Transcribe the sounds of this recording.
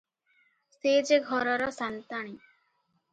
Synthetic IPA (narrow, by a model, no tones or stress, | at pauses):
sed͡ʒeɡʱɔɾɔɾɔsant̪aɽ̃i